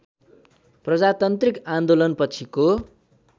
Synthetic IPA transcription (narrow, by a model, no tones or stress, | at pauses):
prʌd͡zat̪ʌnt̪rikand̪olʌnpʌt͡sʰiko